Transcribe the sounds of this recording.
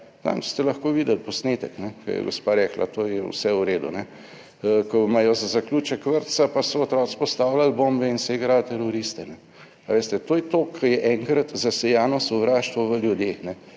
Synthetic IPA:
za̰m̥st̪ɛlɐxkoːʋiːd̪əlpɔsneːt̪əknɛkɐ̰jɛ̰ɡospaɾɛkla̰t̪ojɛw̰sɛuɾeːd̪ṵnɛ | kɔmajɔzazaklut͡ʃəkʋəɾt̪sapasɔːt̪ɾɔːt̪spɔst̪awlalbombɛinsɛiɡɾalt̪ɛɾoɾist̪ɛnɛ | aʋeːst̪ɛt̪ojɛt̪oːkʰːɐjɛʔɛŋkɾat̪zasɛjaːnɔsɔʋɾaːʃt̪ʋɔʋəljud̪eːxnɛ

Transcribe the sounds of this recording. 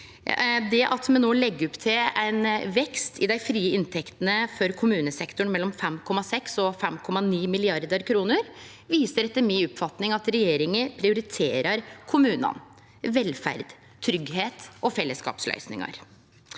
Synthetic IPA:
d̪ɛʔɑt̪mɛnoːlɛɡːəɔpt̪ʰɪlæɪnʋɛkst̪ʰɪd̪æɪfɾiːəɪnt̪ʰɛkt̪ənəfɔɾkʰʊmʉːnəsɛkt̪ʊɳmɛlːɔmfɛmkʰɔmɑsɛksɔfɛmkʰɔmɑniːmɪlɪɑɾd̪əɾkʰɾuːnəɾ | ʋiːsəɾɛt̪ːəɾmiʊpfɑt̪nɪŋɑt̪ɾɛjeːɾɪŋəpʰɾɪʊɾɪt̪ʰeːɾɑɾkʰʊmʉːnɑ̰n | ʋɛlfæ̰ɾd̪ | t̪ʰɾʏɡɦeːt̪ʔɔfɛlːəskɑ̰ːpslœ̰ʏsnɪ̰ŋɑ̰ɾ

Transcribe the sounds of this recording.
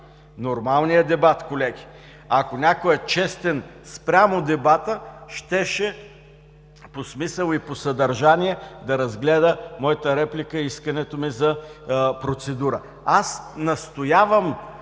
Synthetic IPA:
noɾmalˠnijəd̪ɛbat̪kolɛɡʲi̥ | ɐkonʲakoɛt͡ʃɛst̪ɛnspɾʲamod̪ɛbat̪əʃt̪ɛʃɛ | posmisəlˠiposɐd̪ɐɾʒaniɛd̪ɐɾɐzɡlɛd̪əmɔjət̪əɾɛplikəiskɐnɛt̪omizɐpɾot̪sɛd̪uɾə̰ | asnɐst̪ojavəm

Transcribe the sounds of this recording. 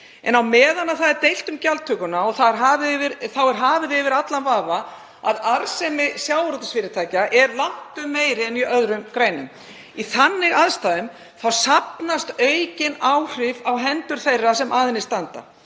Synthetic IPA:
ɛ̰nawmɛːðanaθaðɛɾt̪ejl̥t̪ʏmcalt̪ʰʏːkʏnaɔθaðɛɾɦaːvɪɪvɪɾθawɛɾ̥ɦaːvɪðɪːvɪɾat̪lanvaːva | a̰ðaɾsɛmɪsjawvɾɔt̪asfɪːɾɪt̪ʰaːjcaʔɛɾlaht̪ʏmːeːjɾɪɛniʔœðɾʏmkɾeːjnʏm | iθanːɪɣaðst̪aːðʏm | θawsapnast̪œɥcɪnawr̥ɪvawɦɛnt̪ʏɾ̥θejrːasɛmʔaːðɪnɪst̪ant̪a̰

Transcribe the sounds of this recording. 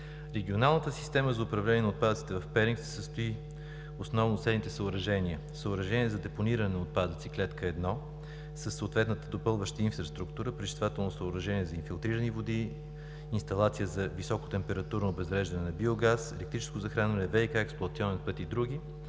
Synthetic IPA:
ɾɛɡʲionalˠnət̪əsi̥st̪ɛməzɐʊpɾɐvlɛniɛnɐot̪pad̪ət̪si̥t̪ɛvɐfpɛɾʲiŋksɛ̥səst̪oi | osnɔvnosɛlnit̪ɛsəʊɾɐʒɛniə | səʊɾɐʒɛniɛzɐd̪ɛponiɾɐnɛot̪̚pad̪ət̪siklɛt̪kəɛd̪nɔ | səsːəːt̪vɛt̪nət̪əd̪opɤlˠvəʃt̪əinfɾɐst̪ɾukt̪uɾəpɾit͡ʃi̥t̪vat̪ɛlˠnosəʊɾɐʒɛniɛzɐinfilˠt̪ɾiɾənivod̪iː | nst̪ɐlˠat̪sijəzɐvisɔko̥t̪ɛmpɛɾɐt̪uɾnoːbɛzɾɛʒd̪ɐnɛnɐbioɡasɛlɛk̚t̪ɾit͡ʃɛ̥skozɐxɾanvɐnɛvɛikaɛksplˠoɐt̪ʲiɔnɛnpɤt̪id̪ɾuɡ̟ʲi

